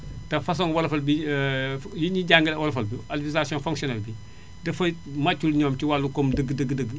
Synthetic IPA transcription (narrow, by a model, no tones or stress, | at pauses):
tɐfɐs̬ɔŋwɐlfɐlbi | jiɲiɟaŋɡəlɛwɔlfɐlbialfisasijɔ̃nfɔ̃ŋksiɔnɛlbi | dɐfɐmɐcːulɲɔːmtiwalːukomdəɡːədəɡːədəɡː